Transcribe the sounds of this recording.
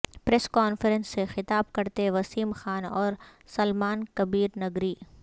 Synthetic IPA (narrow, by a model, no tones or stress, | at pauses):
pɾɛːskaːnfəɾə̃nsːexɪt̪aːb̚kɐɾt̪eʋɐsiːmxaːnɔːɾsɐlmaːnkɐbiːɾnɐɡɾiː